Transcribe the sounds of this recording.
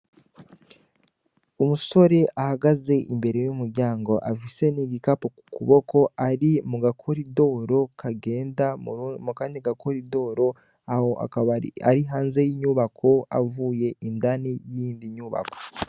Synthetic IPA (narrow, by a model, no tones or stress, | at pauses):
umuso̞ɾe̞ʔahaɡaze̞ʔḭmbe̞ɾe̞jumuɾɟaːŋɡo̞ʔafise̞niɡikapokukuβo̞ko̞ʔaɾimuɡakʰoɾido̞ɾo̞kʰaɡe̞ːndamukaːndiɡakoɾido̞ɾo̞ | ahoʔa̰a̰ɾiɦaːnze̞jiɲuːβakʰo̞a̰vuːje̞ʔindanijindiɲuːβa̰ko̥